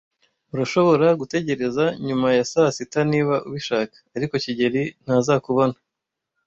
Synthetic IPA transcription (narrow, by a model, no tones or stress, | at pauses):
uɾaʃo̞βo̞ɾaɡute̞ɟe̞ɾe̞zaɲumajasasitaniːβaʔuβiʃaːkḁːɾiko̞ciɟeɾin̥hazakuβo̞na